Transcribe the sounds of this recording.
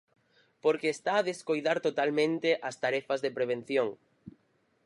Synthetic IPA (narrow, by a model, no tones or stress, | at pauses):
poɾkeːst̪aːðeskojðaɾt̪ot̪almẽnt̪eʔɐst̪aɾɛfɐzðepɾeβ̞en̟θjoŋ